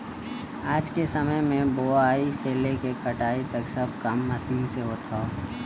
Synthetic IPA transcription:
aːd͡ʒkesɐməjmẽboaːiseːlekekɐʈaːit̪ɐksɐb̚ʱkɐmːɐsiːnseɦot̪ʰoː

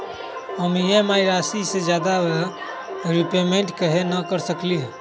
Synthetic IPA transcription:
ɦəmjemaːiɾaːsised͡ʒjaːd̪a | ɾipeːmeɳʈkəɦenəkəɾsəkliɦ

